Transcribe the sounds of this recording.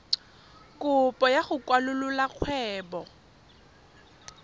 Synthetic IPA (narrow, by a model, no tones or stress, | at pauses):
kʼʊpʼɔjaχʊkʼwalʊlʊlaq͡χʰwɛːbɔ